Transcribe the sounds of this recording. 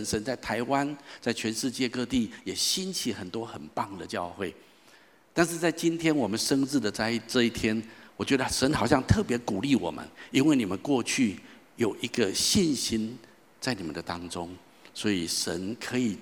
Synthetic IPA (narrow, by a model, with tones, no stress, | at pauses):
nʂə˧˦nt͡sa˥˩ɪt̪ʰa˧˥ɪwa˦nt͡sa˥˩ɪt͡ɕʰɥɛ˧˥nʂɻ̩˥˧t͡ɕjɛ˥˧kɤ˥˧t̪i˥˩jɛ˨˩ɕi˥nt͡ɕʰi˧˦˥xə˨˩nt̪wɔ˥xə˨˩npɑ˥˩ŋd̪ə˨t͡ɕjɑ˥˧ʊxwe˥˩ɪ | t̪a˥˧nʂ̬ɻ̩˥˧t͡sa˥˩ɪt͡ɕi˦˥nt̪ʰjɛ˥nwɔ˨˩mə˨˦nʂə˥ŋt͡sɻ̩˥˩d̪ə˩t͡sa˥˧ɪ˩ʈ͡ʂɤ˥˧i˥˩t̪ʰjɛ˥nwɔ˨˩t͡ɕɥɛ˧˥d̪ə˧ʂə˧˦˥nxɑ˨˩ʊɕjɑ˥˧ŋt̪ʰɤ˥˨pjɛ˧˥ku˨˩li˥˩wɔ˨˩mə̰˦ni˥nwe˥˩ɪni˨˩mə˦nkwɔ˥˧t͡ɕʰy˥˩ | jo˨˩ʊʔi˧˥ɡ̥ə˧ɕi˥˨˧nɕi˥n | t͡sa˥˩ɪni˨˩ə̰˨˦nd̪ə˨t̪ɑ˥ŋʈ͡ʂʊ˦ŋ | swɔ˧˥i˨˩ʂə̰˧˦nkʰɤ˧˦i˨˩